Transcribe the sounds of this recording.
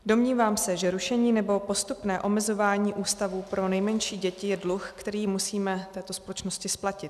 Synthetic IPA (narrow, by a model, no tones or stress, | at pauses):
do̞mɲiːvaːmsɛʒɛɾuʃɛɲiːnɛbo̞po̞st̪upnɛːʔo̞mɛzo̞vaːɲiːʔuːst̪avuːpɾo̞nɛjmɛɲʃiːɟɛcɪjɛdluxkt̪ɛɾiːmusiːmɛt̪ɛːt̪o̞spo̞lɛt͡ʃno̞scɪsplacɪt̪